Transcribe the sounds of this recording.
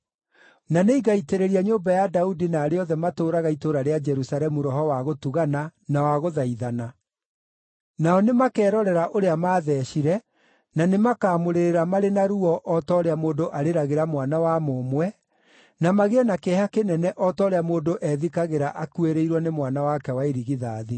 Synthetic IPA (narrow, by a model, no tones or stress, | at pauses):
naneiɡaiteɾeɾiaɲoːmbajadaudinaːɾeɔðɛmatoːɾaɣaitoɾaɾead͡ʒɛɾusaɾɛmuɾɔɦɔwaɣotuɣananawaɣoðaiðana | naɔnemakɛːɾɔɾɛɾaʔoɾeamaːðɛːɕiɾɛ | nanemakaːmoɾeɾeɾamaɾenaɾuɔʔɔtɔːɾeamoːdoʔaɾeɾaɣeɾamwanawamomwɛ | namaɣeɛnakɛɦakenɛnɛʔɔtɔɾeamoːdoʔɛðikaɣeɾaʔakueɾeiɾwɔnemwanawakɛwaeɾiɣiðaːði